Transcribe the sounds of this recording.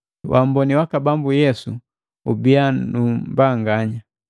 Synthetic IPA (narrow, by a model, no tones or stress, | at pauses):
wʔam̩bɔniwakabambujɛsu | ubianumbaŋɡaɲa